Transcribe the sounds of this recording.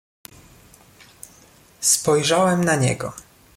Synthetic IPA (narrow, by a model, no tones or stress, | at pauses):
spɔjʐawɛmnaɲɛ̰ɡɔ̰